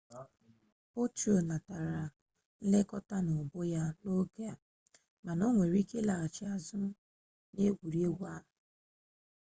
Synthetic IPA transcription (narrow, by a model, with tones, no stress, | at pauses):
po˦to˨na˨ta˨ɾa˨ | n̩˦le˦kɔ˦ta˦nʊ˨bʊ˦ja˦no˦ɡe˦a˨ | ma˨nɔ˦ŋʷe˨ɾi˦ke˦la˨t͡ʃɪ˨a˨zʊ˦ | ne˦ɡʷu˨ɾi˦e˦wʷa˦